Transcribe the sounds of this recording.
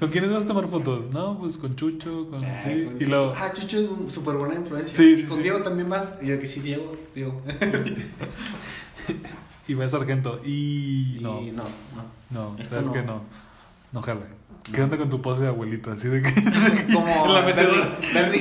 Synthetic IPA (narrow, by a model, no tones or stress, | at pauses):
ko̞ŋkjenezβasat̪̬omaɾfot̪o̞snopweskont͡ʃut͡ʃokonsiːloat͡ʃut͡ʃoes̬unsupeɾβwenaĩɱfluensjsisikonsd̪eɣot̪ambjenbasðekesiðjeɣod̪jeɣo | iβas̬aɾxent̪̬oʔinonoo | nosaβeskeno | noxaleeand̪ako̞nt̪̬upos̬eaɣwelit̪oasiðek̬eðekkomoenlameseeɾi